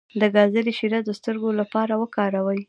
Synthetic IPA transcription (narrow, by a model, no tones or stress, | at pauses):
d̪əɡɑzəliʃiɾad̪əst̪əɾɡolapɑɾawəkɑɾawəj